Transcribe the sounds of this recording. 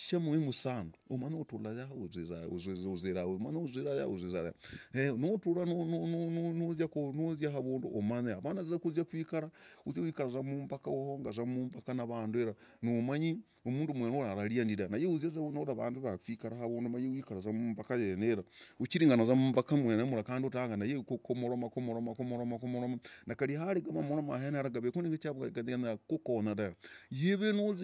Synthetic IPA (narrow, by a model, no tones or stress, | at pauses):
ʃamuwemusaːnduomanotulajaɦauzezazozeɾaweomanouzweɾaja̰uzezaa̰enotulannnozjakonozjaɦaβoːnduʔomaneaβanazzakuzjakwikaɾauzjawikaɾazamuːmbakaohoŋɡazamuːmbakanaβaːnduweɾa | nomaɲi | omuːndumwenoɾaɾaɾiandiɾanajeuzjazaonoɾaβaːnduβakwikaɾaɦaβoːndumajewikaɾazamuːmpakajeneɾaut͡ʃiɾiŋɡanazamuːmbakamwenamuɾakaːndiotaːŋɡanajekokomoɾomakomoɾomakomoɾomakomoɾomanakaɾihaɾeɡamamoɾomaɦenɾaɡaβekuniŋɡet͡ʃaβkakanianakokonadajajeβenoz